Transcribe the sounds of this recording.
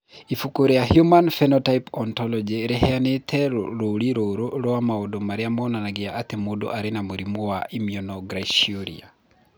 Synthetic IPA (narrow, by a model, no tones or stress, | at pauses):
ifukoɾejahjumanfɛnɔtaipɔntɔlɔd͡ʒeɾeɦɛanetʰɛɾoɾiɾoɾoɾwamaodomaɾeamɔːnanaɡeaʔːtemodo̰ʔaɾenamoɾimowaʔimiɔnɔɡɾaiʃoɾḭa̰